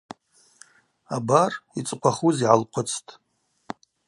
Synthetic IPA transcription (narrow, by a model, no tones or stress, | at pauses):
abarit͡sʼqʷʰaχuziʕalqʷʰʊt͡sʰtʼ